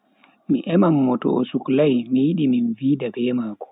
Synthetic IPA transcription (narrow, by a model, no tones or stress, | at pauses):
miʔɛmamːɔtɔ̰ʔɔsuklajmijiɗiminviːdabɛːmaːkɔ̥